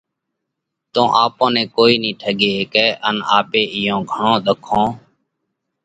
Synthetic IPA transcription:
t̪õːʔaːpõːnẽːkoːiːnĩːʈʰəɡeːkɛːʔənaːpeːʔɪjõːɡʱəɳõːɗ̪əkʰõː

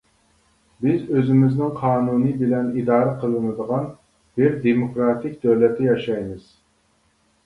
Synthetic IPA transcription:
bɪzøzɪmɪznɪŋqʰɑːnunɨbɪlɛnid̪ɑːɾɛqʰəlˠɨnɨd̪əʁɑn | b̥ɪɾd̪emokɾɑt̪ʰɪk̚ʲd̪øwlɛt̪ʰːɪjɑʃɑjmɨz̥

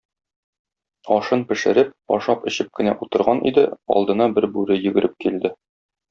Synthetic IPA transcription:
ɒʃɤnpɘ̆ʃɘ̆ɾɘp̚ɒ̰ʃɑpɘ̆ɕɘp̚kɘ̆næʔut̪ɤ̆ɾʁɑnʔḭd̪ɘɒ̰lˠd̪ɤ̆nɑbɘɾbʉɾɘjɵ̆ɡɘ̆ɾʔɘp̚kild̪ɘ

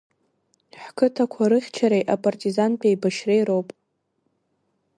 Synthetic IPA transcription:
ħkʰɨtʰakʷʰaɾɨχʲt͡ʃʰaɾejʔapʼartʼizanpʰʼajbaʃrejɾowpʼ

